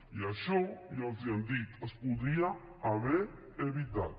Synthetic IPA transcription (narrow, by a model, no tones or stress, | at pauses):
iaʃɔjaziand̪it̪əspuðɾia | aβeɾ | eβit̪a̰t̪̚